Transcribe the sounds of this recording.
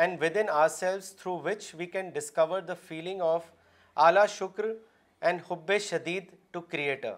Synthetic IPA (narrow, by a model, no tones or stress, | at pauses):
ɛ̃ɳɖʋɪd̪ɪ̃naːəɾsɛlʋst̪ʰɾuːʋɪt͡ʃʋiːkɛ̃nɖɪskʌʋəɾd̪əfiːlɪ̃ŋɡɔːʋ | ʔaːlaːʃʊkɾ | ɛ̃ɳɖhʊbːeʃɐd̪iːd̪ʈukɾieːʈə̰ɾ